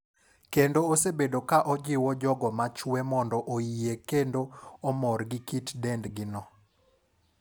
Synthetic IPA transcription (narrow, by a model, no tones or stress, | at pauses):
kendoːsebedokaʔɔd͡ʒɪwɔd͡ʒɔɡɔmat͡ʃwɛmɔndɔʔoiekendoɔmɔrɡɪkitdɛndɡɪnɔ